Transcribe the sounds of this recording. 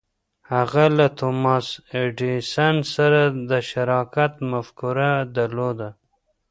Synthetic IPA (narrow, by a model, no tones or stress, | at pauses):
haɣalat̪omɑseɖisansaɾad̪əʃaɾɑkat̪mafkuɾad̪aɾlod̪a